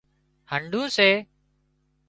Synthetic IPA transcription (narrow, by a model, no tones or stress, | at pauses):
həɳɖʱũːseː